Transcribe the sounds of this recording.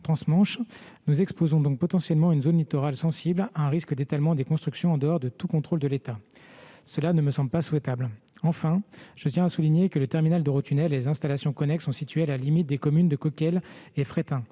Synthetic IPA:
t̪χɑ̃smɑ̃ʃ | nuzɛkspozɔ̃d̪ɔ̃k̚pɔt̪ɑ̃sjɛlmɑ̃ynzonlit̪ɔʁalsɑ̃siblaɛ̃ʁiskəd̪et̪almɑ̃d̪ekɔ̃st̪χyksjɔ̃ɑ̃d̪əɔʁd̪ət̪ukɔ̃t̪χold̪əlet̪a | səlanəməsɑ̃bləpaswɛt̪abl | ɑ̃fɛ̃ʒ̥ət̪jɛ̃asuliɲekələt̪ɛʁminald̪əʁot̪ynɛlelezɛ̃st̪alasjɔ̃kɔnɛksɔ̃sit̪ɥelalimit̪̚d̪ekɔmynd̪əkɔkɛlefχet̪ɛ̃

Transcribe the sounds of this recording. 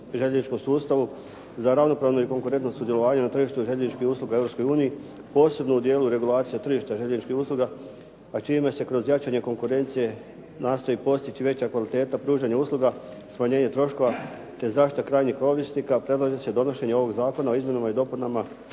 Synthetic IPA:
ʒe̞ʎenit͡ʃko̞msuːst̪aʋu | zaɾaʋno̞pɾaːʋno̞iko̞ŋkuɾe̞nt̪nosud̪jelo̞ʋaːɲe̞nat̪ɾr̩ʒiʃt̪uʒeʎeznit͡ʃkihuːslˠuɡae̞ʋɾo̞psko̞juːnii | po̞ːsebnoud̪je̞ːluɾe̞ɡulaːt̪sijat̪r̩ʒiːʃt̪aʒeʎenit͡ʃkixuːslˠuɡa | at͡ʃimese̞kɾo̞zjat͡ʃaɲe̞ko̞ŋkuɾe̞nt̪sije̞ | naːst̪ojipo̞st̪it͡ɕiʋe̞t͡ɕakʋalit̪e̞ːt̪apɾuːʒaɲauːslˠuɡa | smaɲe̞ːɲet̪ɾo̞ʃko̞ʋa | t̪e̞zaːʃt̪it̪akɾaːjɲixo̞ʋjesnikapɾe̞d̪lˠaʒese̞d̪o̞no̞ʃe̞ɲeo̞ʋo̞ɡzaːko̞naoizmʲje̞namaid̪o̞punama

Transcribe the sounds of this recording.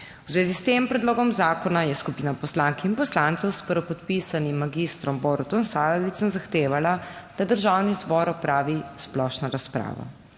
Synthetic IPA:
wzʋeːzist̪empɾɛd̪loːɡɔmzaːkɔnajɛskupiːnapɔslaŋkinpɔslant̪səwspəɾɔpɔt̪pisanimːaɡist̪ɾɔmbɔɾɔt̪ɔnsalɔʋit̪səmzaxt̪eːʋalad̪̥ad̪əɾʒawnizbɔɾɔpɾaːʋisplɔʃnaɾaspɾa̰ːʋa̰

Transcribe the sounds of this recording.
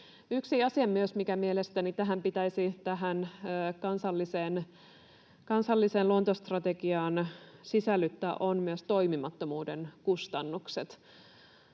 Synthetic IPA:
yksiɑsiɑmyøsmikæmielest̪ænit̪æɦæmpit̪æisit̪æɦænːkɑnsɑlːiseːn | kɑnsɑlːiseːluont̪ost̪rɑt̪e̞ɡiɑːnsisælːyt̪ːæʔonmyøst̪o̞imimɑt̪ːomuːdenkust̪ɑnːukset̪

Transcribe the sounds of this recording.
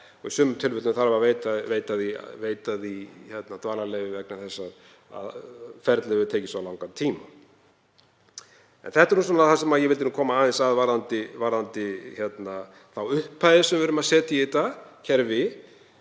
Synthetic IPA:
ɔ̰ɣisʏːmʏmt̪ʰɪlvʏt̪ʏmθaɾvaveːjt̪aveːjt̪aðḭveːjt̪aðiçɛt̪nat̪vaːlaleːvɪvɛknaθɛsːað | a̰ðfɛɾt̪lɛvt̪ʰeːjcɪst̪alawŋkat̪ʰiːma̰ | ɛ̰nθɛht̪ɛɾnuːsanːaθasɛmajɛvɪlɪnukʰɔːmaaːðɪnsaðvaɾðant̪ɪvaɾðant̪ɪçɛt̪na | θawʏhpʰːajðɪsɛmvʏɾʏmaðsɛːt̪jait̪acʰɛɾvɪ

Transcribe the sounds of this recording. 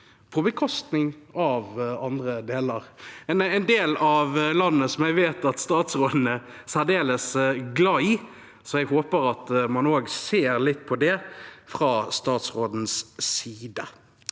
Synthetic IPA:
pʰɔbəkʰɔst̪nɪŋɑʋɑnd̪ɾəd̪eːləʁɛnɛɪnd̪eːlɑʋlɑnːəsɔmjæɪʋeːt̪ɑt̪st̪ɑːt̪sʁoːd̪nə | sæʁd̪eːləsɡlɑi | sɔjɛɡɦoːpəɾɑt̪mɑnoːɡseːɾlɪt̪ːpʰɔd̪ɛfɾɑːst̪ɑːt̪sʁoːd̪n̩ssiːd̪ə

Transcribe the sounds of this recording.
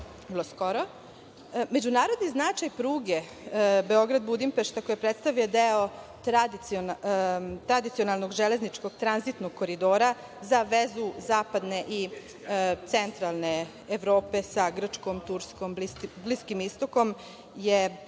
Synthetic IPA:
ʋlˠoskoɾo̞ | me̞d͡ʑunaːɾo̞d̪niznat͡ʃajpɾuːɡe | be̞o̞ɡɾad̪bud̪impeʃt̪akojepɾet̪st̪aʋiod̪eo̞t̪ɾad̪it̪sion | t̪ɾad̪it̪sio̞nalˠno̞ɡʒele̞znit͡ʃkoɡ̥t̪ɾanzit̪no̞ɡ̚ko̞ɾid̪o̞ːɾa | zaʋezuzaːpad̪ne̞ʔi | t̪sent̪ɾalˠne̞ː | ʋɾo̞ːpe̞saɡr̩t͡ʂko̞mt̪uɾskomblibliskimist̪oko̞m | je

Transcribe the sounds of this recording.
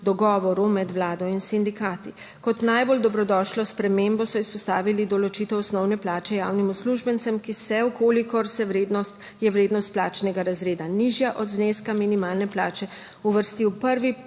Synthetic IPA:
d̪ɔɡɔːʋɔɾumɛd̪wlaːd̪ɔinsind̪ikaːt̪i | kɔt̪najbold̪ɔbɾɔd̪ɔʃlɔspɾɛmembɔsɔispɔst̪aːʋilid̪ɔlɔt͡ʃit̪ɛwɔsnɔwnɛplaːt͡ʃɛjaːwnimɔsluʒbɛnt̪sɛmkisɛukoːlikɔɾsɛɾed̪nɔt̪ | jɛwɾeːd̪nɔst̪̚plaːt͡ʃnɛɡaɾazɾeːd̪aniʒjaʔɔd̪zneskaminimaːlnɛplaːt͡ʃɛ | uʋəɾst̪iupəɾʋi

